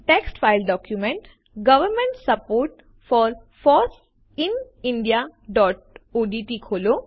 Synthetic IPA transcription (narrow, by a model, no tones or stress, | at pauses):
ʈeksʈfaɪlɖɔːkjumẽɳʈ | ɡɐʋəɾmẽɳʈssəpoːɾʈ | fɔːɾ | fɔːɾs | ɪn | ɪ̃ɳɖijaɖɔːʈ̚oːɖiʈikʰoːlo